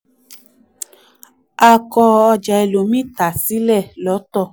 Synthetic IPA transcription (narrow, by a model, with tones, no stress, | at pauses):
a˧kɔ˧ɔ˧d͡ʒa˨e˧lo˨˦mĩ˦ta˨si˦lɛ˦˨lɔ˨˦tɔ˦˧˨